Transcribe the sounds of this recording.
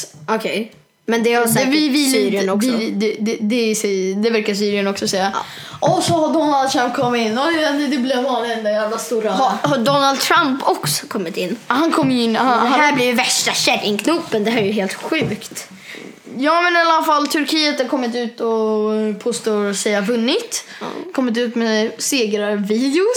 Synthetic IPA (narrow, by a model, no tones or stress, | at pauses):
ɔkʰɛj | mɛnd̪ɛhasvɪvɪsyːɾɪənɔsd̪ɛd̪ɛd̪ɛsɛd̪ɛvæɾkas̬yːɾɪənɔksɔsɛjːa̰ | ʔɔsɔhaɖɔnalsɛmkʰɔmːɪnːɔɛɛnd̪ɛd̪ɛblɪvɑːnlɪɡənd̪ɔjaːblast̪uːɾahahaɖɔnːald̪̚t̪ʰɾampʰɔksɔ̥kʰɔmːɪt̪ɪnːhankʰɔmːjɪnːhanɛɦahæːblivvæʂʈaɕɛd̪ɪnkʰnupːənd̪ɛɦæːɾɛjɵɦeːlt̪ɧʉ̟ːkt̪ | jɑːmɛnallafalːt̪ʰɵɾkʰiːət̪haɾkʰɔmːɪt̪ʉ̟ːt̪ɔpʰoːst̪oːsɛjavɵnːɪt̪ | kʰɔmːɪt̪̬ʉ̟ːt̪mɛseːɡɾaviːd̪ɪʊ